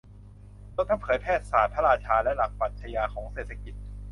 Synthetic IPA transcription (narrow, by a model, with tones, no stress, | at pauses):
d̪o˧˥˧ŋt̪ʰa˥˩mpʰɤː˩˦jpʰɛː˥˩t̪̚saː˨˩t̪̚pʰa˦˥ɾaː˧t͡ɕʰaː˧lɛ˦˥ʔla˨˩k̚paː˨˩t̪̚t͡ɕʰa˧jaː˧kʰɔː˩˦ŋseː˨˩t̪ʰa˧˦ki˨˩t̪̚